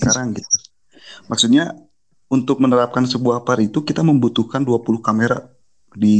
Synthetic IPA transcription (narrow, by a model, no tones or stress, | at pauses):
kaɾaŋɡit̪u | maksut̪̚ɲa | unt̪ʊk̚mənəɾap̚kansəbuahpaɾit̪ukit̪aməmbut̪uhkanduapulʊhkameɾa̰ | di